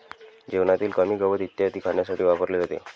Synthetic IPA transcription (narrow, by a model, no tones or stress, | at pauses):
d͡ʑeʋɳat̪iːlkəmiːɡəʋəd̪it̪jat̪iːkʰaɳjasaʈiːʋapəɾled͡zot̪ḛ